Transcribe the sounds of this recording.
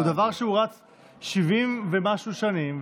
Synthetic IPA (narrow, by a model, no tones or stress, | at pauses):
ud̪avaʁʃeuʁat͡s | ʃivimvemaʃuʃanim